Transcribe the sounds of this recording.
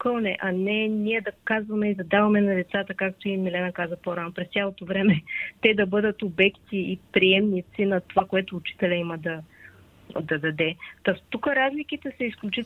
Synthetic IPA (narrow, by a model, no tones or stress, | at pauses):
kəlˠnɛʔɐnɛniɛd̪ɐkazvɐmɛid̪ɐd̪avɐmɛnɐd̪ɛt̪sat̪əkak̚t̪oiimilɛnɐkazɐpoɾanopɾɛst̪ʲjalˠot̪ovɾɛmɛt̪ɛd̪ɐbɤd̪ət̪obɛkt̪iːpɾiɛmnit̪sinɐt̪ovakoɛt̪oːt͡ʃi̥t̪ɛlʲɐimɐd̪ɐ | d̪ɐd̪ɐd̪ɛt̪ot̪ukəɾazlikit̪ɛsɐisklʲut͡ʃi